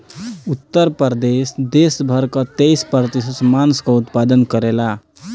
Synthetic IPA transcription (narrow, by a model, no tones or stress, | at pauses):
ut̪ːəɾpəɾd̪esd̪esbʱəɾkət̪ejspɾət̪isəsmanskɔut̪pad̪ənkəɾela